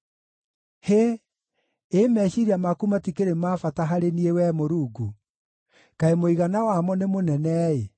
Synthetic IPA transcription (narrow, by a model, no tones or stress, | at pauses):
he | emɛɕiɾiamakumatikeɾemaːfataɦaɾeniewɛmoɾuːɡu | kaemoiɣanawamɔnemonɛnɛe